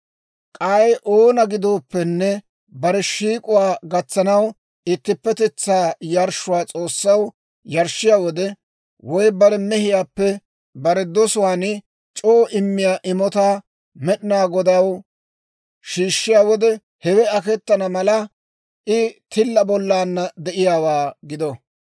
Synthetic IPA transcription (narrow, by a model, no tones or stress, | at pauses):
kʼaːjʔoːnɐɡɪd̪oːpːɛnːɛ | bɐɾɛʃiːkʼʊwaːɡɐt͡sːɐnɐw | ɪt̪ːɪpːɛt̪ɛt͡sːaːjɐɾʃʊwaːt͡sʼo̞ːsːɐw | jɐɾʃɪjaːwɔd̪ɛ | wɔjbɐɾɛmɛhɪjaːpːɛ | bɐɾɛd̪ɔsʊwaːnɪ | t͡ʃʼoːʔɪmːɪjaːʔɪmɔt̪aː | mɛɗɪnaːɡɔd̪ɐw | ʃiːʃːɪjaːwɔd̪ɛ | hɛwɛɐkɛt̪ːɐnɐmɐlɐ | ʔɪt̪ɪlːɐbɔlːaːnːɐd̪ɛʔɪjaːwaːɡɪd̪ɔ